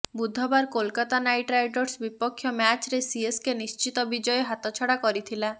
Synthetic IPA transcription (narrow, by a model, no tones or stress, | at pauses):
bud̪ʱɔbaɾkolkat̪anajʈɾajʈɔɾsbipɔkʰːjɔmjat͡ʃɾesieskenist͡ʃit̪ɔbid͡ʒɔjeɦat̪ɔt͡ʃʰɔɽakɔɾit̪ʰila